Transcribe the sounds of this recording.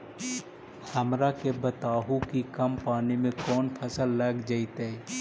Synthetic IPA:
hɐmɾakebət̪aːɦũkikɐmpaːnimẽkɔːnpʰəsəlːɐɡd͡ʒait̪e

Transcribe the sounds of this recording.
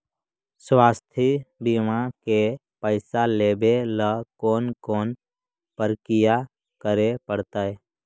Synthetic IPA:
swaːst̪ʰibiːmãke | pəɪsaleːbeləkoːnkoːn | pəɾkɪja | kəɾepəɽt̪aɛː

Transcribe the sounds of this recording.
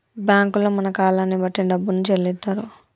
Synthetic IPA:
bjaːŋkuloːmɐnɐkaːlaːnːibɐʈːinɐɖɐbːunit͡ʃellid̪ːaːɾu

